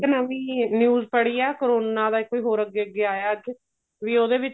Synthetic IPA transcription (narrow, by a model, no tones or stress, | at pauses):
ənaʋĩːnjuːzpəɽiːaːkəɾoːnaːd̪aːɪkːoːiːɦoːɾəɡːeːəɡːeːaːjaːəd͡ʒ | ʋiːoːd̪eːʋɪt͡ʃ